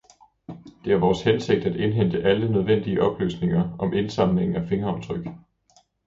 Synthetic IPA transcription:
d̥e̝æɐʋɒːshense̝ɡ̥̚d̥æd̥e̝nɦen̰d̥əʔælənøð̞ˠʋen̰d̥iəʔɒ̽b̥ly̰ːsne̝ŋɐʔɒ̽mʔe̝nsɑ̈mle̝ŋŋ̩æfe̝ŋɐɒ̽mt͡sʰʁœɡ̥

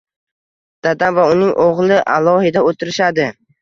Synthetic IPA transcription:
d̪̥ad̪amvaʊnɪŋʔoʁlˠɪʔa̰lˠɒhɪd̪aot̪ʰɪɾɪʃad̪ɪ

